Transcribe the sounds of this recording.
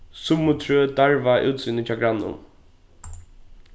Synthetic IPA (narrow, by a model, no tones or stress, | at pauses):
sʊmʊt̪ʰɾøːd̪aɹvaʔṵːt̪siːnət͡ʃʰaɡɾanːʊ̰n